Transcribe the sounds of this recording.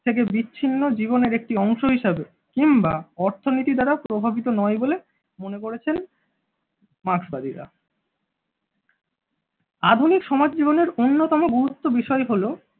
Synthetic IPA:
t̪ʰek̬ebit͡ɕːɕʰinːod͡ʑiboneɾek̚ʈiɔŋʃoɦiʃebe | kimbaɔɾt̪ʰonit̪id̪aɾapɾobʱabit̪onɔjbole | monekoɾet͡ɕʰen | maksbad̪iɾa̰ | ad̪ʱunikʃɔmad͡ʑd͡ʑiboneɾonːot̪ɔmoɡuɾut̪ːobiʃɔeɦolo

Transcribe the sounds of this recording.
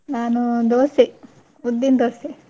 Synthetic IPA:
naːnud̪oːsi | ud̪ːind̪oːsi

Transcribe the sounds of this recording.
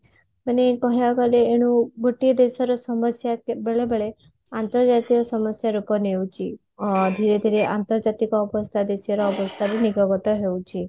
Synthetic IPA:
manekɔɦjakaleːɽ̃ũbʱoʈiɔd̪esɔɾɔsɔmɔsjakbeɭebeɭe | ant̪ɔɾd͡ʒat̪iɔsɔməsjaɾupɔnewt͡ʃʰi | d̪ʱiɾed̪ʱiɾeʔa̰nt̪ɔɾd͡ʒat̪ikɔːbɔst̪ʰad̪esijɔɾɔːbɔst̪ʰaɾuniɡɔɡɔt̪ɔɦewt͡ʃʰi

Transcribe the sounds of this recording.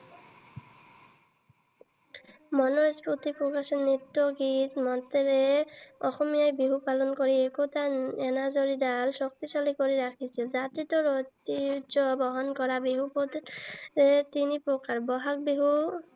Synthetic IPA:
mɔnoɾesput̪ipɾokaʃenːit̪ːoɡit̪mɔt̪eɾeɔxomijajbiɦupalonkoɾiekot̪aɛnad͡ʑoɾid̪alʃok̚t̪iʃalikoɾiɾakʰit͡ɕʰild͡ʑat̪ɾit̪oɾot̪id͡ʑobɔɦɔnkɔɾabiɦupot̪ɾet̪inipɾokaɾbɔɦak̚biɦu

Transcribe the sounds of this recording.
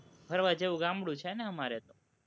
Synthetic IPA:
bʱəɾʋãd͡ʒeʋũɡãmbɽũt͡ʃʰeneəmaɾet̪ũ

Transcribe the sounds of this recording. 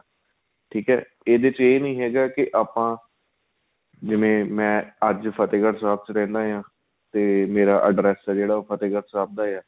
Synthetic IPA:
ʈʰiːkɦɛ̰ː | eːd̪eɪt͡ʃeːnəĩːɦɛːɡaːkɪʔaːpãː | d͡ʒɪʋẽːmɛ̃ːəd͡ʒpʰət̪eːɡəɾsaːb̚t͡ʃɾɛ̃ːnd̪aːɦjãː | t̪eːmeːɾaːʔəɖɾɛːsːd͡ʒeːɽaːoːpʰət̪eːɡəɾsaːb̚d̪aːaː

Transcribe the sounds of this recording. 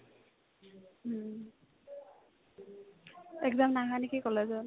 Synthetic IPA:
ɛkzamnaɡanikikɔlazɔn

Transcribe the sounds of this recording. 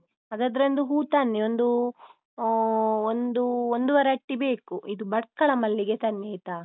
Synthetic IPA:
ɐd̪ad̪ɐɾɐnd̪uɦuːt̪anːeond̪u | ond̪uond̪uʋɐɾeɐʈːibe̞ːkuʔid̪ubɐɽkːɐɭɐmɐlːiɡet̪ɐnːɐjt̪aː

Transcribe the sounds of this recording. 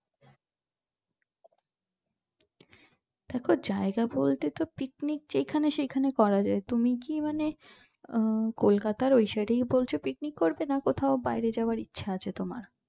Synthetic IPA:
d̪̥ɛkʰod͡ʑaeɡabolt̪et̪opiknik̚d͡ʑejkʰaneʃejkʰanekɔɾad͡ʑaet̪umikimane | kolkat̪aɾojʃaɖejbolt͡ɕʰopiknikːoɾbenakot̪ʰaobajɾed͡ʑaoaɾitːɕʰaat͡ɕʰet̪oma̰ɾ

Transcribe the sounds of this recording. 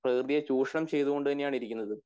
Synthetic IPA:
prɐkrd̪ijɐt͡ɕuːʂɐɳɐmt͡ɕe̞jt̪uɣo̞ɳɖɨt̪ɐnːejaːɳiɾikʲːunːɐðɨ

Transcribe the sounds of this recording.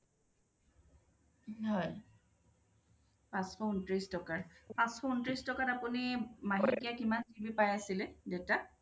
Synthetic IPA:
hɔj | pãsxɔuntɹistɔkaɹpãsxɔuntɹistɔkatapunimaɦikijakimantibipajasilɛdeʊta

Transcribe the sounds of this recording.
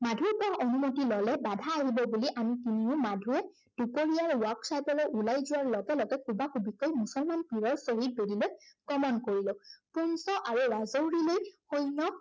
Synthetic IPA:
madʱuɹpɔɹaʔonumotilɔlɛbadʱaːɦibɔbuliʔamikiniʊ̃madʱuɹɛ | d̥upoɹijaɹwɔksajpɔlɔʔulajzʊaɹlɔɡɛlɔɡɛkʰubakubikojmusɔlmanpiɹɔɹsoɦit̚bedilokɔmɔnkoɹilɔpunsɔʔaɹuɹazowɹilojxojnɔ

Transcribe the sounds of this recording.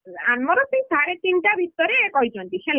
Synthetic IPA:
anmɔɾɔt̪ij̃saɾet̪inʈabʱit̪ɔɾeːkɔɦit͡ʃʰɔnt̪isel

